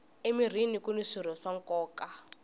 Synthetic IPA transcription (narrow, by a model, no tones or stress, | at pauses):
emir̤inikuniʂiɾ̤ɔʂaŋ̩kɔːka